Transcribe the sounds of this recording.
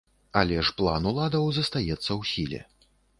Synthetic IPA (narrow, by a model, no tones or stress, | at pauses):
alʲɛʂplˠa̰nulˠad̪ɐwzɐst̪ajɛt̪sːɐwsʲilʲɛ̰